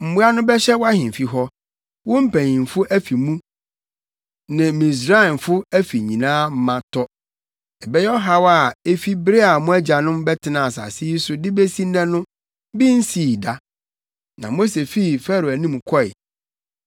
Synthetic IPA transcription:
m̩˨mu˦a˦nʊ̃˦bɛ˦ɕɛ˦wɔ˦a˦hɪ̃˨m˨fi˨ɦɔ˦ | wʊ̃˦m̩˦pʰæ̃˨ɲĩ˨n˨fʊ˦ʔæ˦fi˨mũ˦ | nɪ̃˨mĩ˨s̬ɾa˦˨nfʊ˦æ˦fi˨ɲĩ˨nãː˦m̩˦mã˦tʰɔ˦ | ɛ˨bɛ˦jɛ˦ɔ˦ɦa˦wa˨e˦fi˦bɾe˦a˨mʊ̃˦æ˦d͡ʑa˨nʊ̃˦mbɛ˦tʰɪ˨˦nã˨sa̰˨si˦i˦sʊ˦dɪ˦bɛ˦sĩ˦n˦ɛ̃˦nʊ̃˦ | bi˦n̩˦siː˨da˦ | nã˨mo˦se˨fi˦˨fɛ˦ɾo˨æ˨nĩ˦m˨kʰɔ˦ɪ̰˨

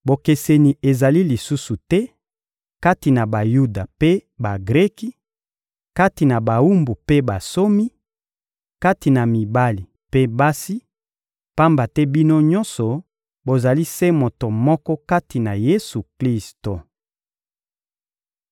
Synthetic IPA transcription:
bo˨ke˨se˨ni˨e˨za˨li˦li˨su˦su˨tɛ˦ | ka˦ti˨na˨ba˨ju˦da˨pe˦ba˨ɡʁɛ˦ki˦ | ka˦ti˨na˨ba˨u˦mbu˨pe˦ba˨so˦mi˦ | ka˦ti˨na˨mi˨ba˦li˨ | pe˦ba˦si˦ | pa˦mba˨tɛ˦bi˦no˦ɲɔ̃˦nsɔ˨ | bo˨za˨li˦se˦mo˨to˨mɔ˦kɔ˦ka˦ti˨na˨je˦su˨kli˦sto˨

